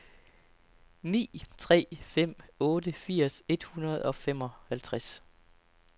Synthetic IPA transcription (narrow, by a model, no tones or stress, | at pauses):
nḭːt͡sʰʁɛ̰ːfem̰ɔ̽ːdəfiɐ̰se̝d̥hunɐð̞̩ˠɒ̽fem̰ɒ̽hælt͡sʰʁas